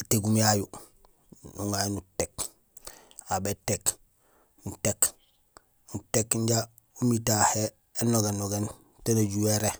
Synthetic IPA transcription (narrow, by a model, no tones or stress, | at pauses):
ateɡumiaju | nṵŋajunutek | abetek | nutek | nutekɲɟa | umitaheː | noɡenːoɡen | tenaɟuweɾe